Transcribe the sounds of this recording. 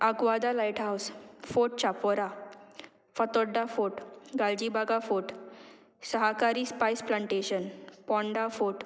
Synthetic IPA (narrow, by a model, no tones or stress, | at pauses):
əɡʋad̪alajʈɦawsfoʈ̚t͡ɕapɔɾa | fət̪ɔɖːafoʈɡald͡ʑibaɡafoʈ | səɦakaɾiːspajsplaɳʈeɕənpɔ̃ɳɖafoʈ